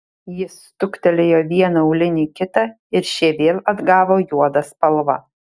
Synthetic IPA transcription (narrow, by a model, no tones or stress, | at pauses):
jɪst̪ʊkt̪ʲɛlʲejoːʋʲiɛnɐʊlʲɪnʲiːkʲɪt̪ɐ | ɪɾʃʲiɛʋʲeːlʲˠɐd̪ɡɑːʋoːjuɔd̪ɐspɐlˠʋɐ̰